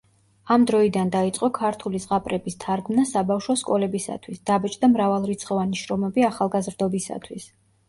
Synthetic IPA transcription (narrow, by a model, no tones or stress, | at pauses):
amd̪ɾɔid̪and̪ait̪sʼqʼɔkʰaɾt̪ʰulizʁapʼɾɛbist̪ʰaɾɡmnasabafʃɔskʼɔlɛbisa̰t̪ʰwisd̪̥abɛt͡ʃʼd̪amɾavalˠɾit̪sʰχʼɔvaniʃɾɔmɛbiaχalˠɡazɾd̪ɔbisa̰t̪ʰwis